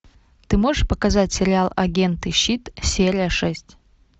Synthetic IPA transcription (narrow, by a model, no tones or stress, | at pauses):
t̪ɨmo̞ʐɨʂpəkɐzatʲsʲɪɾʲɪalˠɐ̰ɡʲe̞nt̪ɨɕːit̪sʲeɾʲɪjəʂɛsʲtʲ